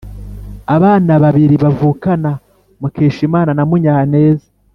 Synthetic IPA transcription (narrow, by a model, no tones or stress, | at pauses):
aβaːnaβaβiɾiβavuːkana | mukeːʃimaːnanamuɲaːne̞ːzḁ